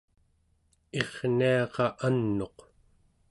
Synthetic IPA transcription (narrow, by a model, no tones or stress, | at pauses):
e̞ʁniɑqɑʔanːo̞q